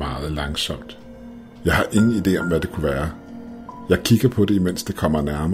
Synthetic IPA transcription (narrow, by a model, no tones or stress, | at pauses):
mɑ̈ːð̩ˠlɑ̈ŋsɒ̽m̰d̥ | jɑ̈ɪhɑ̈ʔe̝ŋn̩id̥e̝̰ːɒ̽mʋæd̥e̝kʰuʋæːɐ | jɑ̈ɪkʰiɡ̥ɐpʰɒ̽de̝imen̰sd̥e̝kʰɒ̽m̰ɐnæɐm